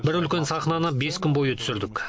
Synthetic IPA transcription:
bɪɾʏlkʲe̞nsɑχnɑnəbe̞skʲʰʏmbo̞jət̪ʰʏ̥sɪɾd̪ɪkʲ

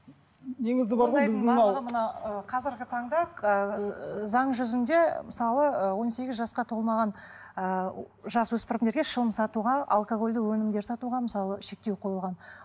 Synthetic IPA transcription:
neŋɪzd̪ɪbɑɾʁoɪzɑʁəmənɑəqʰɑzɪɾɡʲɪt̪ʰɑɴd̪ɑqəzɑɴʒʏzɪnd̪e̞mɪsɑlˠəwo̞nse̞ɡʲɪzʒɑsqɑt̪ʰo̞lˠmɑʁɑn | ə | ʒɑswɵspɪrɪmne̞ɾɡʲeʃəlˠəmsɑt̪uʁɑa̰lˠkoɡo̞lʲd̪ɪwɵnɪmd̪e̞ɾsɑt̪uʁɑmɪsɑlˠəʃe̞k̚t̪e̞wqʰo̞jəlˠʁɑn

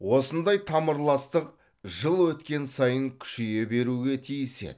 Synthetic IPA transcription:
wo̞sənd̪ɑjt̪ʰɑməɾlˠɑst̪əq̚ | ʒəlˠwɵt̪kʲe̞nsɑjəŋkʲʰʏ̥ʃeje̞be̞ɾuɡʲe̞t̪ʰijsḛ

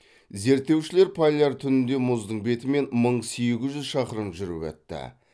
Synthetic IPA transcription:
ze̞ɾt̪ːe̞wʃɪleɾpʰalʲaɾt̪ʰʏnɪnd̪e̞mʊzd̪əɴbe̞t̪ɪme̞nməɴsejɡʲɪzʒʏzʃɑqəɾəmʒʏɾɪ̰pæ̰t̪ːɪ̰

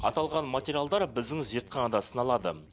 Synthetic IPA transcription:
ɑ̰t̪ɑlˠʁɑnmatʲeɾʲijalˠd̪ɑɾbɪzd̪ɪŋzʒiɾt̪̚qʰɑnɑd̪ɑsənɑlˠɑd̪ə̰

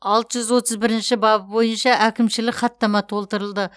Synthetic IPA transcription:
ɑlˠt̪əʒʏzwo̞t̪ʰəzbɪɾɪnʃɪbɑbbo̞jənʃɑʔækʲɪmʃɪlɪkχɑt̪ːɑmɑt̪ʰo̞lˠt̪əɾəlˠd̪ə

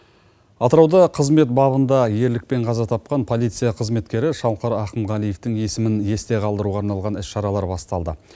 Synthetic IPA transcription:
ɑt̪əɾɑwd̪ɑqʰəzme̞t̪̚bɑβənd̪ɑje̞ɾlɪk̚pe̞ɴqʰɑzɑt̪ʰɑp̚qɑnpʰo̞lˠijt̪sɨjɑqʰəzme̞t̪kʲe̞ɾɪʃɑwqɑɾæqəmʁælˠijeft̪ɪŋje̞sɪmɪnje̞st̪e̞ʁʰɑlˠd̪əɾuʁɑɾnɑlˠʁɑnɪsʃɑɾɑlˠɑɾbɑst̪ɑlˠd̪ə̰

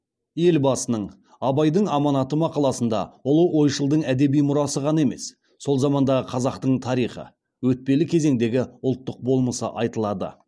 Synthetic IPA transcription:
je̞lbɑsənəɴ | ɑbɑjd̪əɴɑmɑnɑt̪əmɑqɑlˠɑsənd̪ɑ̰ʊlˠəʔo̞jʃəlˠd̪əɴæd̪e̞bijmʊɾɑsəʁɑne̞me̞sː | o̞lˠzɑmɑnd̪ɑʁəqʰɑzɑqt̪əɴt̪ʰɑɾijχə̰ | wɵt̪̚pe̞lɪkʲʰe̞ze̞ŋd̪e̞ɡʲɪʊlˠt̪ːəq̚bo̞lˠməsə̰ʔɑjt̪əlˠɑd̪ə̰

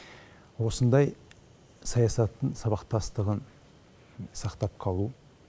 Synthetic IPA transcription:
wo̞sənd̪ɑj | sɑjɑsɑt̪ːəɴsɑβɑqt̪ɑst̪əʁən | sɑqt̪ɑp̚qʰɑlˠu

